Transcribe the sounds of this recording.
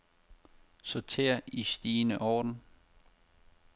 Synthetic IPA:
sot͡sʰe̝̰ːɐ̰isd̥iːnəʔɒːd̥n̩

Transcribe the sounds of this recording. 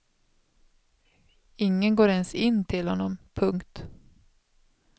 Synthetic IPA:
ɪŋːənɡoːɾɛnsɪnːt̪ʰɪlhɔnːɔmpʰɵŋkt̪

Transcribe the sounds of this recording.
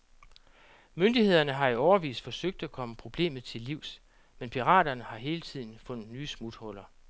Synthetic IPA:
mønd̥ihe̝ð̞̰ˠɐnəɦɑ̈iɒʊɐʋḭːsfɒ̽søɡ̥̚d̥ækʰɒ̽məpʰʁo̝b̥le̝̰ːmð̞̩ˠt͡sʰe̝lːiʊ̰s | menpʰiʁɑ̰̈ːdɐnəhɑ̈ɦe̝ːlət͡sʰið̞̰ˠn̩fɔ̽n̰ð̩ˠnyːsmud̥hɔ̽lɐ

